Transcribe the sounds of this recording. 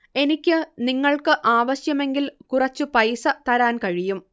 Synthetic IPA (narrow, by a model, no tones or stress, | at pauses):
e̞nikʲːɨniŋːɐɭkɨʔaːʋɐɕjɐme̞ŋɡilkurɐt͡ɕːɨpɐjsɐt̪ɐɾaːnkɐɻijum